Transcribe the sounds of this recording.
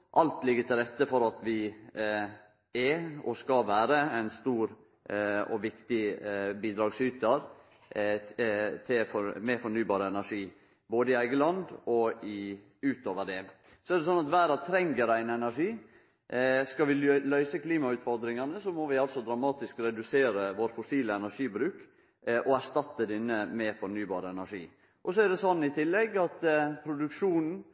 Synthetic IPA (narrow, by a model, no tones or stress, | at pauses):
ʔɑlt̪lɪɡːəʈ̪ʰɪlɾɛt̪ːəfɔɾɑt̪ʋɪ | ɛɔskɑʋæːɾəæɪnst̪uːɾ | ɔʋɪkt̪ɪbiːd̪ɾɑːɡsyːt̪əɾ | t̪ʰɪfɔɾmɛfɔɳyːbɑːɾəɛnæʂiː | boːd̪əɪæɪɡəlɑnd̪ɔɪ | ʉːt̪oːʋəɖɛ | sɔɛɾd̪ɛs̬ɔnːɑt̪ʋæːɾɑʋt̪ʰɾɛŋɡəɾæɪnɛnæɾʂiː | skɑʋɪlœʏsəkʰliːmɑʉt̪fɔɾd̪ɾɪŋɑnəsɔmɔʋɪɑlt̪sɔd̪ɾɑmɑːt̪ɪskɾɛd̪ʉseːɾəʋoːɾfʊsiːləɛnæɾʂiːbɾʉːk | ʔɔæɾʂt̪ɑt̪ːəd̪ɪnːəmɛfɔɳyːbɑ̰ːɾəɛnæʂḭː | ʔɔsɔæɾd̪ɛsɔnːɪt̪ʰɪlːɛɡɑt̪pʰɾʊd̪ʉkʂuːnn̩